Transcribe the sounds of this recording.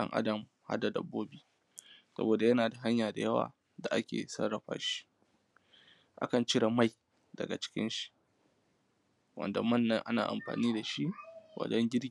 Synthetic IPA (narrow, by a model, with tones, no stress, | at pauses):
ɐ̰˦ŋʔa̰˦dɐ˨m | ha̰˦da˨dɐ̰˨bːoː˦biː˦ | sɐ̰˦boː˨da˨jɐ˦naː˨da˨ɦa˦ɲjaː˨da˨jɐ˦wa̰ː˨ | da˨ʔa˦kʲḛː˨sɐ̰˦ɽɐ˨ɸa̰ː˦ʃi̥˦ | ʔa̰˦kɐ˨nt͡ʃɪ˦ɽa˨ma˦˨j | dɐ̰˨ɡa̰˨t͡ʃɪ̥˦kʲɪ̰˦nʃi̥˦ʔ | wɐ̰˨nda˨mɐ˦˨nːɐ˦ŋʔa̰˦na̰ː˨ʔa̰˨mɸa̰ː˨niː˦da˨ʃi˦wɐ̰˨dɔ˦ŋɡʲɪ˦ɽ